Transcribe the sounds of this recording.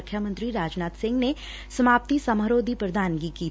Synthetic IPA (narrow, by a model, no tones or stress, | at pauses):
kʰjamə̃nt̪ɾiɾaːd͡ʒnaːt̪sɪ̃ŋɡne | sɐmaːp̚t̪isɐmɦəɾoːd̪ʱipɾɐd̪ʱaːnɡikiː